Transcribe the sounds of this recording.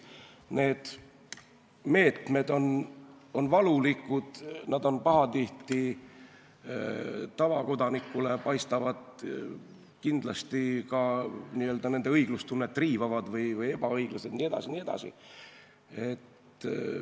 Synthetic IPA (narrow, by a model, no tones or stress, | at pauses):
ne̞ːd̪̥ | me̞ːt̪me̞d̪o̞no̞nvɑlulikːud̪̥nɑd̪o̞npɑɦɑt̪iht̪i | t̪ːɑvɑko̞d̪̥ɑnikːˑule̞pɑjst̪ɑvɑd̪̥ | kind̪̥lɑst̪ikɑniːø̞ːld̪ɑne̞nd̪̥e̞ɤjɡlust̪unːet̪ːˑriːvɑvɑd̪̥vɯjvɯje̞b̥ɑɤjɡ̥lɑse̞d̪niːe̞d̪̥ɑ̰sinie̞d̪ɑ̰sḭ | e̞t̪ː